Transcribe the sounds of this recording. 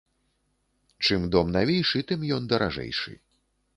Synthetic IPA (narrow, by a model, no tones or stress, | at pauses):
t͡ʂɨmd̪ɔmnavʲɛjʂɨt̪ɨmjɔnd̪ɐɾʔa̰ʐɛ̰jʂɨ̰